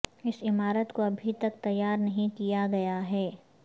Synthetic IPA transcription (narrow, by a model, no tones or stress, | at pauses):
ɪsɪmaːɾət̪koɐbʱit̪ɐk̚t̪ɐjːaːɾnɐɦĩkijaɡɐjaɦɛː